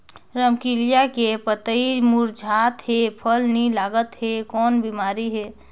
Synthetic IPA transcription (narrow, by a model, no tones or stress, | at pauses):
ɾəmkilijakepət̪əimuɾd͡ʒʱat̪ɦepʰəlnilaɡət̪ɦekɔnbimaɾiɦe